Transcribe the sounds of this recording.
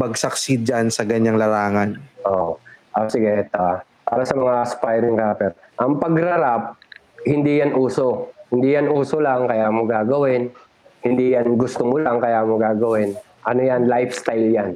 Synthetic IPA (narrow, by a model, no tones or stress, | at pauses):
mɐɡsɐksid͡ʒansɐɡɐɲːaŋlɐɾaːŋanʔoʔʔosɪɡɛt̪oa | pa̰ːɾɐsɐmɐŋaspajɾɪŋkaːpɛɾ | ʔɐŋpɐɡɾɐɾap̚ | hɪnd̪ijanʔuːsohɪnd̪ijanʔuːsolaŋkɐjaːmoɡaːɡɐwɪn | hɪnd̪ijanɡʊst̪omʊlaŋkɐjaːmoɡaːɡɐwɪn | ʔɐnojanlajfst̪ajljan